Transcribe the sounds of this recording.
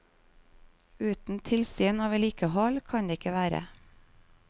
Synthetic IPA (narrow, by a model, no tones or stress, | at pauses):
ʉːt̪n̩t̪ʰɪlsiːnɑːʋɛliːkəhɔlkʰɑɲd̪eːɪkəʋæːɾə̰